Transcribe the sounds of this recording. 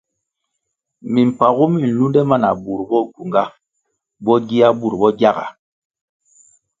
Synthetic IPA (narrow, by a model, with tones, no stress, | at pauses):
mi˨m̩˨pa˨ɣu˦mi˦˨n̩˨lu˦ndɛ˦ma˦˨na˨bu˨ɾbɔ˦ɡu˨ŋɡa˦ | bɔ˦ɡi˦a˦bu˦˨ɾbɔ˦ɡja˦˨ɡa̰˨